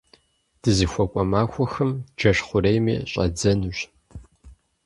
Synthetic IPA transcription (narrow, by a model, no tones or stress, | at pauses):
d̥ɨzɨxʷɔkʷʼɔmaːxʷɔxɨmd͡ʒɐʂχʷʊɾejmḭːɕʼɐ̰d͡zɐnɕ